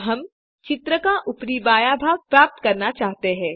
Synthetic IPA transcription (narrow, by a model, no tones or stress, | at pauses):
ɦɐm | t͡ʃɪt̪ɾəkaʔʊpɾiːbaːjaːbʱaːɡ̚pɾaːp̚t̪kɐɾnat͡ʃaːɦt̪eɦɛ̃ː